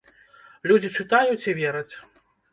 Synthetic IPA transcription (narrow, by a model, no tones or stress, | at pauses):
lʲud͡zʲit͡ʂɨt̪ajut͡sʲivʲɛɾɐt͡sʲ